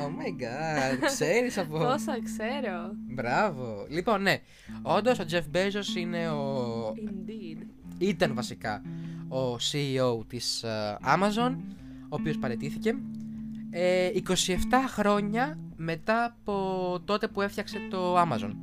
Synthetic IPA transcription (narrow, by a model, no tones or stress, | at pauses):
omeɡɐkse̞ɾisɐpoosɐkseɾobɾɐvo̞lipo̞nːe̞ | o̞nd̪o̞so̞d͡ʒe̞fbezosine̞o | d̪ | it̪ɐnvɐsikɐosiːowt̪isɐ̰mɐzo̞n | oːpio̞spɐɾe̞t̪iθice̞ | eiko̞sie̞ft̪ɐxɾo̞ɲɐme̞t̪ɐːpo̞t̪o̞t̪e̞pue̞fçɐkse̞t̪o̞ɐmɐzo̞̰n